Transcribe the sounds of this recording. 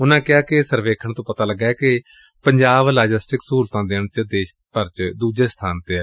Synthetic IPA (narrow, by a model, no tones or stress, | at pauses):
ʊnãːkɪaːkɪsəɾʋeːkʰəɳt̪õːpət̪aːləɡːaːɛːkɪ | pəɲd͡ʒaːblaːd͡ʒɪsʈɪksuːlt̪ãːd̪eːɳt͡ʃəd̪eːʃ | pəɾt͡ʃd̪uːd͡ʒeːst̪ʰaːnt̪eːɛː